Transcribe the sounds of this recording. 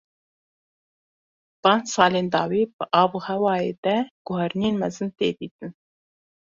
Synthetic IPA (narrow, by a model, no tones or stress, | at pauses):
bɑːnsɑːleːnd̪ɑːwiːb̥ɨʔɑːvuːhɛwɑːjeːd̪ɛɡ̥ʊɦɛɾnijeːnmɛzɨnt̪eːb̪iːt̪ɨn